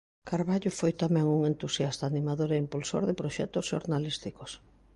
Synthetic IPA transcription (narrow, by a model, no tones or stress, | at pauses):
kaɾβaʎʊfojt̪amɛ̃ŋuŋent̪usjast̪aːnimaðoɾeimpulso̰ɾðɪpɾoʃɛt̪osʃo̰ɾnalist̪ikos